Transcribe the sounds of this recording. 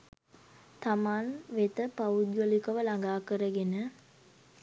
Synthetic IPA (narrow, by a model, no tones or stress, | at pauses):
t̪amanʋet̪əpaud̪jolikəʋəlaŋɡaːkəɾəɡenə